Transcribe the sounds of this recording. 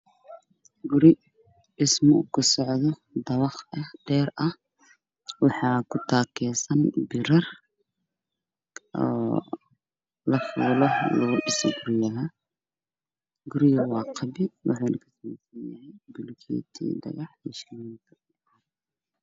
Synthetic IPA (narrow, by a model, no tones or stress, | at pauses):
ɡʊɾɪ | ɪsmʊkʰɐsɔʕðɔ | d̪ɐβɑχɐhd̪̥ɛːɾʔɐh | wɑħɑːkʰʊt̪ʰaːkʰɛːsɐnbɪɾɐr | ɔː | lɐfuːlɔlɔːɖɪsɡʊɾɪjɐɦɐ | ɡʊɾɪjɐwɑːqʰɑbɪd̪wɑ̰ħɑːnʔɐkʰɐsɐmɛsɐnjɐhɛjbʊlkʰḭːt̪ʰḭːd̪ɐ̰ɣɑħɛːʃɐniŋkʰɐ